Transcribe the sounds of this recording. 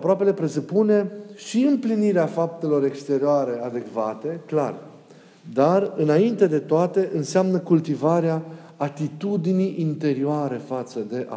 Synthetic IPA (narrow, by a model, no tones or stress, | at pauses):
apɾoape̞le̞pɾe̞supune̞ʃiɨmpliniɾeafap̚t̪e̞lo̞ɾe̞kst̪e̞ɾioaɾe̞ad̪e̞kvat̪e̞klar | d̪arɨnaint̪e̞d̪e̞t̪oat̪e̞ʔɨnseamnəkult̪ivaɾeaː | t̪it̪ud̪iniʔint̪e̞ɾioaɾe̞fat̪səd̪e̞ʔa